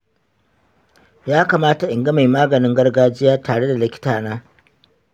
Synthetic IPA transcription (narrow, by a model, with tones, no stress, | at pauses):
jaː˦kaː˨maː˦ta˨ʔɪ˨ŋɡɐ˦ma˨jmaː˦ɡɐ˨nɪ˦ŋɡɐ˦rɡaː˦d͡ʒɪ˦jaː˦taː˨ɽe˦da˨lɪ˦kʲɪ̥˦taː˨naː˦